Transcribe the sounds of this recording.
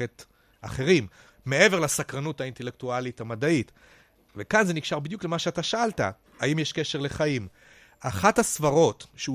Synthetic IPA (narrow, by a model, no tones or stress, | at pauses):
et | a̰χe̞ʁimː | e̞e̞velasakʁanutainte̞lek̚tualitamadait | vekanzeniɡʃaʁbid̪jukle̞maʃeataʃaalta̰ | aimjeʃke̞ʃeʁle̞χaim | ʔaχathasvaʁo̞tʃeu